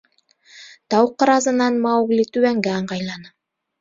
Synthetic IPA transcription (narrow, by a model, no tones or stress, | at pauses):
t̪ɑwqɤ̆ɾɑzɤ̆nɑnmɑwɡlʲit̪ʉβæŋɡæɑɴɢɑjlˠɑnɤ